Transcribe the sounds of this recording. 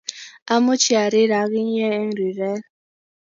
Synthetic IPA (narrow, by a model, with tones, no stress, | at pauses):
a˦mʊ˦t͡ʃʰi˦a˨ɾi˦ɾa˨ɣi˦ɲ˦ɛ˦ɛ˦ŋɾi˨ɾɛ˦l